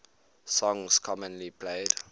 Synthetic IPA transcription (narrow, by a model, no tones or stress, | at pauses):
sɔ̃ŋskʰɔmə̃nlipʰleɪd